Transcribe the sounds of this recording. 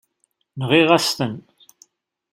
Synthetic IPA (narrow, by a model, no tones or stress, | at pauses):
nəʁiʁast̪ən